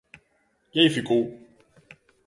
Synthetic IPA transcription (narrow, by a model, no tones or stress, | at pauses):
jejfiku